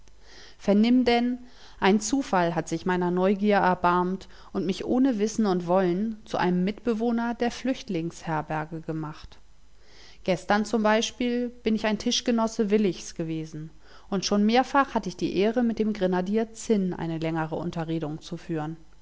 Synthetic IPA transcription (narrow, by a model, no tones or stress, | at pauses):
fɛɐnɪmdɛn | ʔaɪnt͡suːfalɦatz̥ɪçmaɪnɐnɔʏɡiːɐʔɛɐbaɐmt | ʔʊntmɪçʔoːnəvɪsn̩ʊntv̥ɔlənt͡suʔa̰ɪnəmːɪtb̥əvoːnɐdeːɐflʏçtlɪŋshɛɐbɛɐɡəɡəmaχt | ɡ̥ɛstɐnt͡sʊmbaɪʃpiːlb̥ɪnɪçaɪntʰɪʃɡ̥ənɔsəvɪlɪçsɡ̥əveːzn̩ | ʔʊntʃoːnmeːɐfaχhatəɪçd̥iːʔeːʁəmɪt̚d̥eːmɡʁenadiːɐt͡sɪnʔa̰ɪnəlɛŋəʁ̞əʊ̰ntɐʁeːdʊŋt͡sufyːʁən